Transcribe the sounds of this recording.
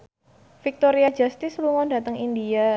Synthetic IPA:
fik̚t̪oɾiad͡ʒast̪ɪsluŋɔndat̪əŋindia

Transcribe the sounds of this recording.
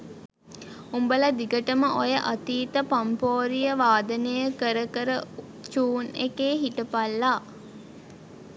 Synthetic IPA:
umbələd̪iɡəʈəməʔojəʔat̪iːt̪əpampoːɾijəʋaːd̪ənejəkəɾəkəɾə | t͡ʃuːnekeːɦiʈəpalːaː

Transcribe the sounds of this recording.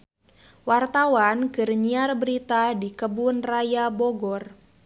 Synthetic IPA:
wart̪awankɨrɲiarbəɾit̪adikəbʊnrajabɔɡɔr

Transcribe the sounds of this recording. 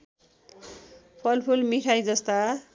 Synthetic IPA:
pʰʌlpʰulmiʈʰajd͡zʌst̪a

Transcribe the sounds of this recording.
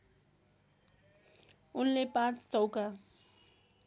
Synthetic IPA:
ʊnlepãt͡sʰt͡sɔwka

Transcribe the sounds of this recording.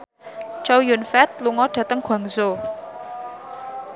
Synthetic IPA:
t͡ʃawjunfɛt̪̚luŋɔɖ̥at̪əŋkʰwaŋzo

